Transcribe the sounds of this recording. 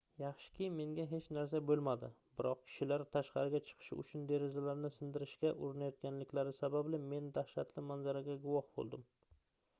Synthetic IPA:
jɑχʃɪ̥kʲʰijme̞ŋɡʲaɦe̞t͡ʃnaɾs̬abɵlˠmad̪ɪbɪɾɒq̚kʲʰɪ̥ʃɪlaɾt̪ʰaʃqɑɾɪɡʲat͡ʃʰɨ̥qʰɨ̥ʃɪʊ̰t͡ʃʰʊnd̪e̞ɾezalaɾnɪsɪnd̪ɪɾɪʃkʲaʔʊɾɪnajɒt̪̚ɡʲanlɪkʲlaɾɪsabablɪme̞nd̪aχʃat̪lɪmanzaɾaɡʲaɡʊwɒhbo̰lˠd̪ɪm

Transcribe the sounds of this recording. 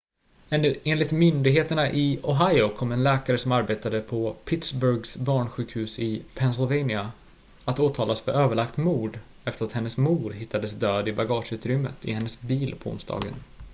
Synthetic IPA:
ɛeːnlɪt̪mʏnd̪ɪɡɦeːt̪əɳaʔɪɔɦajʊkʰɔmːɛnlɛːkaɾəsɔmaɾbeːt̪ad̪əpʰɔpʰɪt̪sbœɾɡsbɑːɳɧʉ̟ːkhʉ̟ːsɪpʰɛnsɪlvɛjnɪa | at̪oːt̪ʰɑːlasfœɾøːvəɭakt̪muːɖ̪ | ɛft̪əɾat̪hɛnːəsmuːɖ̪ɦɪt̪ʰːad̪əsd̪øːd̪ɪbaɡɑːʂʉ̟ːt̪ɾʏmːə̰t̪ʰɪ̰hɛnːəsbiːlpʰɔʊ̰nsd̪ɑ̰ːɡə̰n

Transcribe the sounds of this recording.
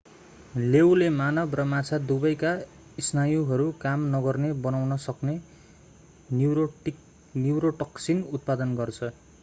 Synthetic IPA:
lewlemanʌbrʌmat͡sʰad̪ubʌjka | isnajuɦʌɾukamnʌɡʌrnebʌnawnʌsʌkne | niwɾoʈʌksinut̪̚pad̪ʌnɡʌrt͡sʰʌ

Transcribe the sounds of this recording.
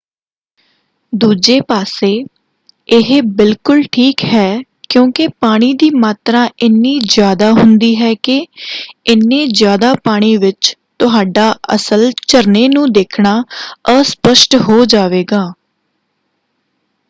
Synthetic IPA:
d̪uːd͡ʒeːpaːseː | ɪɦbɪlkʊlʈʰiːkɦɛː | kjõːkɪpaːɽ̃iːd̪iːmaːt̪ɾãːʔɪnːiːzjaːd̪aːɦʊnd̪iːɦɛːkɪ | ɪnːẽːzjaːd̪aːpaːɽ̃iːʋɪt͡ʃt̪ʊɦaːɖaːə̰səlt͡ʃəɾneːnũːd̪eːkʰɳaːəspəʃʈɦoːd͡ʒaːʋeːɡaː

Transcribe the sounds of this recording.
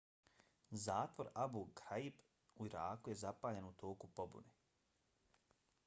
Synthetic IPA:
zaːt̪ʋo̞ɾabukɾaib | uiɾaːkuje̞zapaːʎenut̪oːkupo̞bṵne

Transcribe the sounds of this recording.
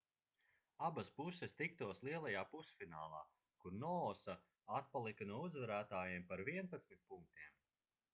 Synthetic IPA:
abaspusɛst̪ik̚t̪uɔslˠiɛlˠajaːpusfinaːlˠa̰ː | kuɾnɔɔsa | at̪̚palˠikanuɔuzvaɾæːt̪aːjeɛmpaɾviɛnpat̪smit̪̚puŋk̚t̪iɛm

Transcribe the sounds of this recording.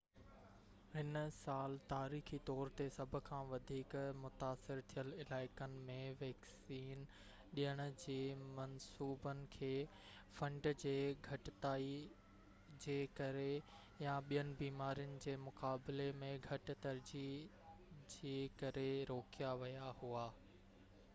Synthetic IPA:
ɦɪnsaːlt̪aːɾiːxit̪ɔːɾt̪esɐbʱʊ̆kʰãːʋɐd̪ʱiːkmʊt̪aːsɪɾt̪ʰijəlɪlaːɪkənɪ̆mẽʋɛːksiːn | ɗijəɽ̃ʊ̆d͡ʑeːmɐnsuːbənɪ̆kʰeː | fɐ̃ɳɖd͡ʑeːɡʱɐʈɪt̪aːi | d͡ʑeːkɐɾe | jaɓijənɪ̆biːmaːɾijənɪ̆d͡ʑeːmʊkaːbɪlemẽɡʱɐʈ̆t̪ɐɾd͡ʑi | d͡ʑeːkɐɾeɾoːkijaʋɐjahuaː

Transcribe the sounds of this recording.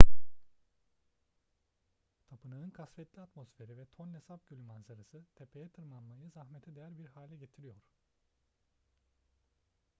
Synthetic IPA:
t̪ʰapɯnɯɯnkʰasfɛt̪lʲiap̪mo̞sfe̞ɾivɛt̪ʰo̞nlʲesap̚ɟylʲmansaɾasɯt̪ʰepʰe̞jɛt̪ʰɯɾmanmajɯzahmet̪ʰɛd̪ejæɾbiɾhaːlʲɛɟe̞t̪ʰiɾijo̞ɾ̥

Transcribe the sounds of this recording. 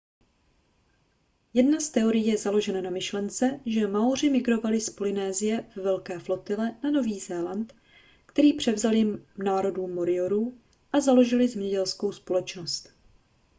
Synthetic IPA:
jɛdnast̪ɛo̞ɾɪjiːjɛzalo̞ʒɛnanamɪʃlɛnt͡sɛʒɛmaur̝ɪmɪɡɾo̞valɪspo̞lɪnɛːzɪjɛvɛvɛlkɛːflo̞t̪ɪlɛnano̞viːzɛːlant̪ | kt̪ɛɾiːpr̝̥ɛvzaljɪmnaːɾo̞duːmːoɾɪoɾuː | ʔazalo̞ʒɪlɪzɛmɲɛɟɛlsko̞wspo̞lɛt͡ʃno̞st̪

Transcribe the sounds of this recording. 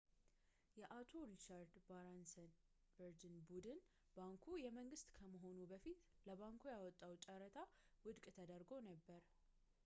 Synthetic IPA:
jɛʔat̪ʰo̞ɾit͡ʃaɾd̪baɾansən | bəɾd͡ʒɨnbud̪ɨn | baŋkʰujɛməŋɡɨst̪kʰəməɦo̞nubəfit̪ləβaŋkʰojawɔt̪ʼːawt͡ʃʼəɾət̪ʰawɨd̪kʼt̪ʰəd̪əɾɡo̞nəbːəɾ

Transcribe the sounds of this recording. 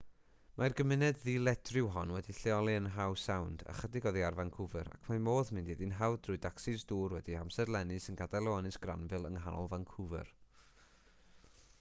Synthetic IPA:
marɡəmɪnɛdðiːlˠɛdʰrɪwɦɔnwɛdiɬɛɔlˠiənɦawsawnda̰χədɪɡɔðiarvankʰʊvəɾa̰kʰmamoːðmɪndiðinɦawdrʊɨdaksɪzduːrwɛdihamsɛrlˠɛnɨsənɡadalˠɛɔnɨsɡ̥ra̰nvɨlˠəŋɦanɔ̰lˠvankʰʊvɛ̰r

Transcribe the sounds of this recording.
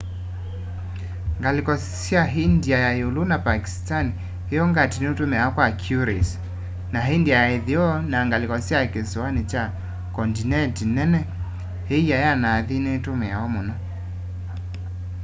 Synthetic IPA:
ŋɡalikɔssiaɦindiajajulunapaki̥stani | hijɔŋɡatiniutumɛakwakʰjuɾḭs | naɦindiajaiðiɔnaŋɡalikɔsiakisuanit͡ʃa | kɔndinɛtinɛnɛ | hejajanaðinetumɛaɔmuna

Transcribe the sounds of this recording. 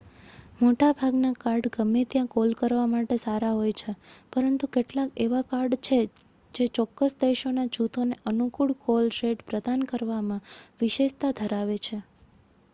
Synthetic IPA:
moʈabʱaɡnakaɾɖɡəmːet̪jãkolkəɾʋamaʈesaɾaɦojt͡ʃʰepəɾənt̪ukeʈlakeʋakaɾɖt͡ʃʰe | d͡ʒet͡ʃɔkːəsd̪eʃonad͡ʒut̪ʰoneʔənukuɭkolɾeɖpɾəd̪ankəɾʋamãʋɪʃeʃt̪ad̪ʱəɾaʋet͡ʃʰe

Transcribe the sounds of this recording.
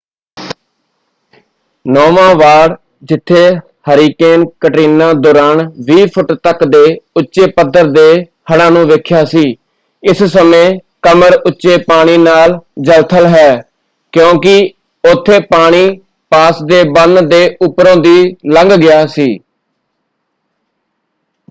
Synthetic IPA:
nɔːʋãːʋaːɽ | d͡ʒɪt̪ʰːeː | həɾiːkeːnkəʈiːnːãːd̪oːɾaːnʋiːpʰʊʈt̪əkd̪eːʊtːʃeːpəd̪ːəɾd̪eː | həɽ̃ãːnũːʋeːkʰjaːsiː | ɪssəmẽː | kəməɾʊtːʃeːpaːɽ̃iːnaːld͡ʒəlt̪ʰəlɦɛː | kjõːkɪ | ʊt̪ʰːeːpaːɽ̃iː | paːsd̪eːbənd̪d̪eːʊpɾõːd̪iːləŋɡɡɪjaːsiː

